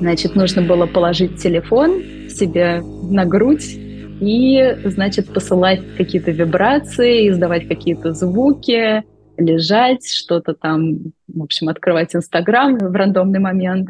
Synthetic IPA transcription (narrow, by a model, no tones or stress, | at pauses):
znat͡ɕɪt̪nuʐnəbɨlˠəpəlˠɐʐɨt̚ʲtʲːɪlʲɪfo̞n | sʲɪbʲe̞ | nɐɡɾutʲ | iznat͡ɕɪt̪̚pəsɨlˠatʲkɐkʲijət̪əvʲɪbɾat̪sɨɪɪzd̪ɐvatʲkɐkʲijət̪əzvukʲɪ | lʲɪʐatʲʂt̪o̞t̪ət̪amvo̞pɕɪmɐt̪kɾɨvatʲɪnst̪ɐɡɾamvrɐnd̪o̞mnɨjmɐmʲe̞nt̪